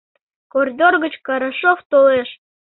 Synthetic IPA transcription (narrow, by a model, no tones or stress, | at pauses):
korʲd̪ʲorɣət͡ɕkɑɾaʃoft̪oleʃ